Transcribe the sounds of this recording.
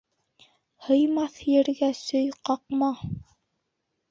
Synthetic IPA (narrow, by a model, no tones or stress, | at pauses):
hɤ̆jmɑθjɘ̆ɾɡæsɵjqɑqmɑ